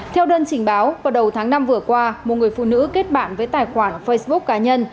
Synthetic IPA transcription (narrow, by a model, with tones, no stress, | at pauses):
t̪ʰɛ˧wɗəː˧nt͡ɕï˧˩ŋ̟ɓaː˨˦wvaː˨˩ɗə˨˩wt̪ʰaː˨˦ŋna˧mvɨ˨˩əkwaː˧mo˨˩ŋɨ˨˩əjfṵ˧˨nɨ̰˧˥ke˦˥t̚ɓa̰ː˧˨nvəː˨˦jt̪aː˨˩jxwaː˧˩nfə˧jsɓʊ˦˥k̚kːaː˨˦ɲə˧n